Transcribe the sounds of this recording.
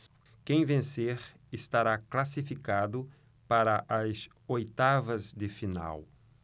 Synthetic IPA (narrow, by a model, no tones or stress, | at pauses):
kẽj̃vẽseɾ | ɪst̪aɾaklasifikad̪ʊ | paɾɐʔɐz | ojt̪avɐzd̪ɪfina̰w